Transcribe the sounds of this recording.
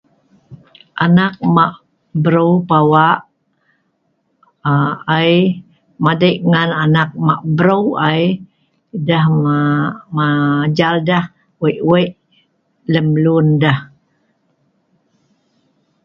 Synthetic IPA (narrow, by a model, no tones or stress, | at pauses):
ʔanak̚maʔ | bəɾəwpawaʔ | aj | madəʔŋananak̚maʔbəɾəwaj | dah | mad͡ʒaldah | wəʔwəʔ | ləmlundah